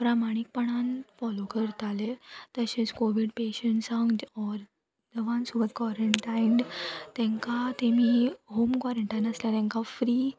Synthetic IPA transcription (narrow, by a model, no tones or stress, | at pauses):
pɾamaɽ̃ik̚pəɳ̃anfɔlokəɾt̪alet̪əɕẽt͡skoʋiɽpeɕəɳʈsaŋɡɔɾ | d̪əʋãnsubət̪̚kʋɔɾəɳʈajɳɖt̪ɛ̃ŋkat̪emiːɦomkʋaɾəɳʈajnəsljat̪ɛ̃ŋkafɾiː